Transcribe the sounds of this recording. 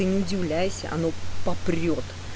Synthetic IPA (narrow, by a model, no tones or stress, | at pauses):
ɨnʲɪʊdʲɪvlʲæjɪsʲə̰ʔɐ̰no̞pɐpɾʲrʲot̪